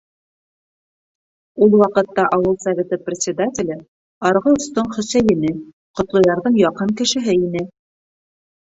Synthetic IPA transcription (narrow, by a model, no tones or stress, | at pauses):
ulˠwɑqɤ̆t̪ːɑʔɑwɤlˠsɐvʲet̪ɤprʲɪt̪sʲɪd̪atʲɪlʲɘ | ɑɾʁɤŏst̪oɴχɵ̆sæjɘ̆nɘ | qŏt̪lˠŏjɑɾðɤɴjɑqɤɴkɘ̆ʃɘ̆ɦɘinɘ